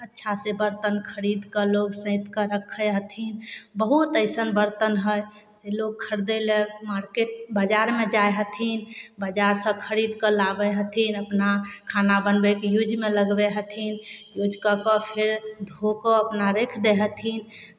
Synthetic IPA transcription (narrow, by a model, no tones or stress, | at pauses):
ətːʃʰasebəɾt̪ənkʰəɾid̪kəloɡsə̃ɪ̃t̪kəɾəkʰːəɦət̪ʰinbəɦut̪əɪsənbəɾt̪ənɦəj | seloɡ̚kʰəɾd̪elemaɾkeʈ̚bəd͡ʒaɾmed͡ʒajɦət̪ʰinbəd͡ʒaɾsə̃kʰəɾid̪kəlabəɦət̪ʰinəpnakʰanabənbekejud͡ʒmeləɡbeɦət̪ʰinjud͡ʒkəkɔpʰeɾd̪ʱokɔəpnaɾekʰd̪eɦət̪ʰin